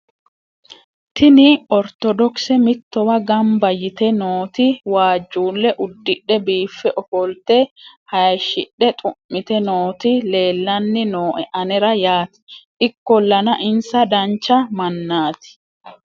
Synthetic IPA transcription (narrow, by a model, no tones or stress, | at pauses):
t̪ɪnɪɔɾt̪ɔd̪ɔksɛmɪt̪ːɔwɐɡɐmbɐjɪt̪ɛnoːt̪ɪwaːd͡ʒːuːlːɛʔʊd̪ːɪɗːɛbiːfːɛʔɔfɔlt̪ɛhɐjʃɪɗɛt̪ʼʊmːɪt̪ɛnoːt̪ɪle̞ːlːɐnːɪnoːʔɛʔɐnɛɾɐjaːt̪ɪ̥ʔɪkːɔlːɐnɐʔɪnsɐd̪ɐnt͡ʃːɐmɐnːaːt̪ɪ̥